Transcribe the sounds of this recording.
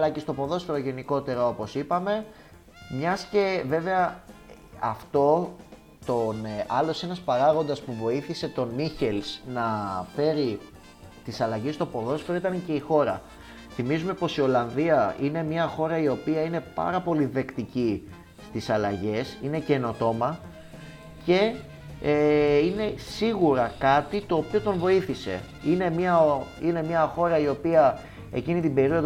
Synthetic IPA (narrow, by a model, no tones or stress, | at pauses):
ɐlɐcest̪opo̞ðo̞sfeɾo̞ʝe̞niko̞t̪e̞ɾɐo̞po̞sipɐme̞ | mɲɐsce̞ve̞ve̞ɐ | ɐft̪o̞ | t̪onɐlo̞se̞nɐspɐɾɐɣo̞nd̪ɐspuvo̞iθise̞t̪o̞niçe̞lsnɐfe̞ɾi | t̪isɐlɐʝest̪o̞po̞ðo̞sfeɾo̞it̪ɐnce̞ixo̞ɾɐ | θimizume̞po̞sio̞lɐnðiɐine̞mɲɐxo̞ɾɐio̞piɐine̞pɐ̰ɾɐpo̞liðe̞kt̪ici | st̪isɐlɐʝe̞sine̞ce̞no̞t̪o̞mɐ | ce̞ | ine̞siɣuɾɐkɐt̪it̪o̞ːpio̞t̪o̞ɱvo̞iθise̞̰ | ine̞mɲɐine̞mɲɐxo̞ɾɐio̞piɐ | e̞̰cinit̪ibe̞ɾio̞ð